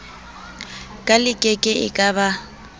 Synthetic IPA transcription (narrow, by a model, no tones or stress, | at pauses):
kʼalɪkʼɛkʼɪɪ̰kʼaba